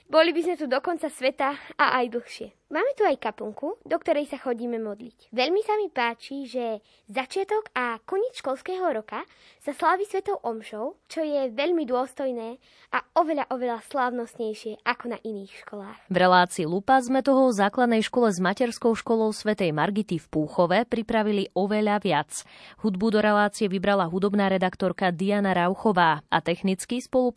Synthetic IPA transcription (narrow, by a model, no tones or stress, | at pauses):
bɔlibizmɛt̪ud̪ɔkɔnt͡sasʋɛt̪aa̰ʔajd̪l̩xʃɪɛ | maːmɛt̪uajkapuŋkud̪ɔkt̪ɔɾɛjsaxɔɟiːmɛmɔd̪licʋɛʎmisamipaːt͡ʃiʒɛ | zat͡ʃɪat̪ɔɡakɔɲɛt͡sʃkɔlskɛːɦɔɾɔka | saslaːʋisʋɛt̪ɔʊʔɔmʃɔʊt͡ʃɔjɛʋɛʎmid̪ʊɔst̪ɔjnɛː | ʔaɔʋɛʎaʔɔʋɛʎaslaːʊnɔst̪ɲɛjʃɪɛʔakɔnaʔiniːxʃkɔlaːxvɾɛlaːt͡siːlupazmɛt̪ɔɦɔzaːklad̪nɛjʃkɔlɛzmacɛɾskɔʊʃkɔlɔʊsʋɛt̪ɛjmaɾɡit̪ifpuːxɔʋɛpɾipɾaʋiliʔɔʋɛʎaʋɪat͡shud̪bud̪ɔɾɛlaːt͡siɛʋibɾalaɦud̪ɔbnaːɾɛd̪akt̪ɔɾkad̪ianaɾaʊxɔʋaːa̰t̪ɛxnit͡skispɔlˠu